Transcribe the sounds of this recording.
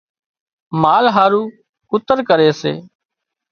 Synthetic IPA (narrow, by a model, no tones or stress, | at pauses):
maːlɦaːɾuː | kʊt̪əɾkəɾeːsḛː